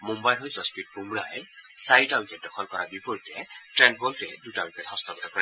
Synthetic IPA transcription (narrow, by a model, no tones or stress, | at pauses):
mumbajlɦojzɔspit̚pumɹajsaɹitaʊnkɛt̚dɔkʰɔlkɔɹabipɔɹitɛtɹɛn̚bɔltɛ̰dutaʊ̃kɛthɔstʰɔkɔtakɔɹa